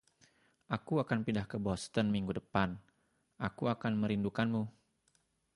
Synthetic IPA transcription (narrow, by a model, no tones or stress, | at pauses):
ʔakuakanpindahkəbɔst̪ənmiŋɡudəpan | ʔakuakanməɾindukanmu